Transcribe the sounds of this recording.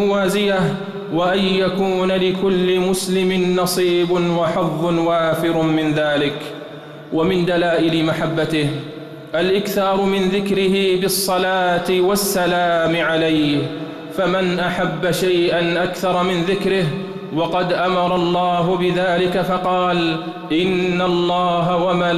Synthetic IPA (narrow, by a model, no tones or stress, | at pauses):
waːzɪjah | waʔanjakuːnalɪkʊlːɪmʊslɪmɪnːɑsˤiːbʊwɑħɑðˤːʊnwaːfɪɾʊmɪnðaːlɪk | wamɪnd̪alaːʔɪlɪmaħabːat̪ɪh | ʔalʔɪkθɑːɾˤʊmɪnðɪkɾɪhɪbɪsˤːɑlaːt̪ɪwɑsːalaːmɪʕalajh | famanʔaħabːaʃajʔanʔakθɑɾˤɑmɪnðɪkɾɪh | wɑqɑd̪ʔamɑɾˤɑlˤːɑːɦʊbɪðaːlɪkafɑqɑːl | ʔɪnːalˤːɑːɦawamaː